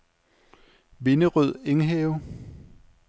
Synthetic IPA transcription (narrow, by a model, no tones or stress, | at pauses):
ʋe̝nəʁyð̞̰ˠe̝ŋɦɛːʊ